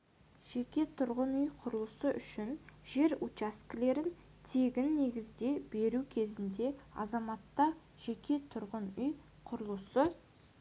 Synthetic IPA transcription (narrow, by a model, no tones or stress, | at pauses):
ʒ̥e̞kʲe̞t̪ʰʊɾʁənʏjqʰʊɾəlˠəsəʔʏʃɪnʒe̞ɾut͡ʃaskʲle̞ɾɪn | t̪ʰeɡʲɪnːe̞ɡʲɪzd̪e̞be̞ɾukʲʰe̞zɪnd̪e̞ɑ̰zɑmɑt̪ːɑ | ʒ̥e̞kʲe̞t̪ʰʊɾʁənʏj | qʰʊɾəlˠəsə